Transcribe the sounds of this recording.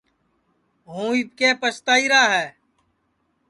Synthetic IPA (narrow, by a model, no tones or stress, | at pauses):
ɦũːit̪̚keːpəst̪aːiːɾaːɦɛː